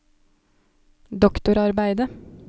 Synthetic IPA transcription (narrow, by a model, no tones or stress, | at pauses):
d̪ɔkt̪ʊɾɑɾbæɪd̪ə